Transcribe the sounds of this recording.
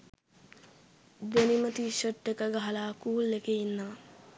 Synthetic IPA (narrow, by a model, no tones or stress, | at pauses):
d̪enimət̪iʃəʈːekəɡaɦɐlaːkuːlːekeinːaː